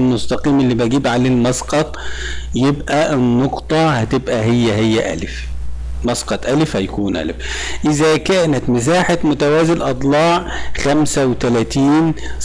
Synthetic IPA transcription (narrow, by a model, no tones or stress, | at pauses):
lmʊst̪ɑqiːmelːiːbæɡiːbʕalelmɑsqɑt̪ˤ | jebʔæʔnːoqt̪ˤɑhæt̪ebʔæɦejːæɦejːæ̰ʔæ̰lf | mɑsqɑt̪ˤʔælfhæjækuːnʔæ̰lf | ʔɪzækæːnæt̪mɪs̬aːħat̪mʊt̪æwæːzɪlʔɑt̪ˤlɑːʕxæmsæwet̪ælæt̪iːn